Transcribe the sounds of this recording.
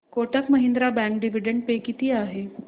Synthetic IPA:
koʈəkməɦind̪ɾabæ̃ŋk̚ɖiʋiɖəɳɖ̚pekit̪iːaɦe

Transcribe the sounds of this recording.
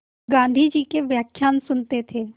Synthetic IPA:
ɡãːn̆d̪ʱid͡ʒiːkeʋjaːkʰjaːnsʊnt̪et̪ʰeː

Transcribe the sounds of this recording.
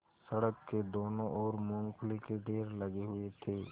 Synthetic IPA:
sɐɽəkːed̪oːnõʔɔːɾmʊ̃ŋklekeɖeːɾlɐɡeɦʊet̪ʰeː

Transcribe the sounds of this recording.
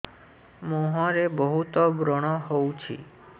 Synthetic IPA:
moɦɔ̃ɾebɔɦut̪ɔbɾɔɽ̃ɔɦowt͡ʃʰḭ

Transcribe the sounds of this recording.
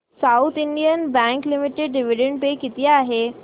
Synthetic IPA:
saut̪ʰiɳɖijənbɛ̃ŋklimiʈeɖɖiʋiɖẽɳɖpekit̪iaːɦe

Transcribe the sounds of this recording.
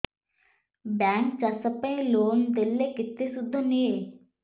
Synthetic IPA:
bɛ̃ːŋkt͡ʃɐsəpə̃ĩloːnd̪elːekɪt̪ːesʊd̪ʱːonieː

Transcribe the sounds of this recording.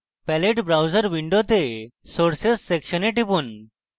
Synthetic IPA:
pɛleʈbɾawd͡zəɾʋiɳɖot̪e | soɾsesːekɕəneʈipuːn

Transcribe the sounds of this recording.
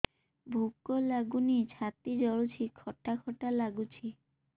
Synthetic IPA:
bʱukːolaɡunit͡ɕʰat̪id͡ʑɔɭut͡ɕʰikʰɔʈʰːakʰɔʈalaɡut͡ɕʰi

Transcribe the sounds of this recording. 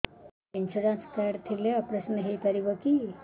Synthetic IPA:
enɕuɾãnskaɾt̪ʰileapɾəsnəɦet̪aɾibəki

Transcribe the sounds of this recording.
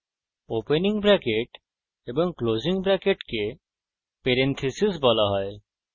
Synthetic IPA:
openiŋbɾɛkeʈ | eboŋkloziŋbɾɛkeʈke | peɾent̪ʰisisbɔlaɦɔe

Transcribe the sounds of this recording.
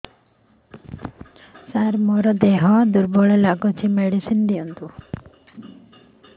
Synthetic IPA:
saɾmɔɾɔd̪eɦɔd̪uɾbɔɭelaɡɔt͡ʃʰimeɽisind̪iɔnt̪u

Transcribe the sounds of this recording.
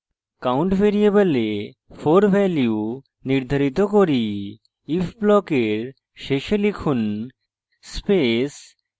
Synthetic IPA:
kawɳʈfeɾiebale | pʰoɾbʱɛlju | niɾd̪ʱaɾit̪okoɾi | ifʰblɔkeɾ | ʃeʃelikʰun | spes

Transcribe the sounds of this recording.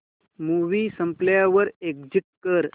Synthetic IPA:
muʋiːsə̃mpljaʋəɾekd͡ʑiʈ̚kəɾ

